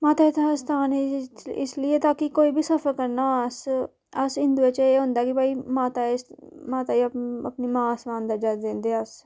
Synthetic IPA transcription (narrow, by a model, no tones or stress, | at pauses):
maːt̪aːɪt̪ʰast̪ʰaːneɪ̰slɪeːt̪aːkɪkoːiːbʱiːsəfʰəɾkəɾnaːəs | əsɪnd̪uːet͡ʃeːɦʊ̃ːnd̪aːkɪbaːiːmaːt̪aːsmaːt̪aːiəpniːmãːəsʋãːnd̪əɾd͡ʒad̪ẽːnd̪eːəs